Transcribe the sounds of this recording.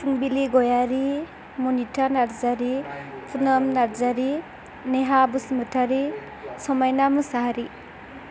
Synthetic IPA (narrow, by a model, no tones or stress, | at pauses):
suŋbiliɡɔjaɾi | mɔnitʰanaɾzaɾipʰunɔmnaɾzaɾi | neɦabusmɯtʰaɾi | sɔmajnamusaɦaɾi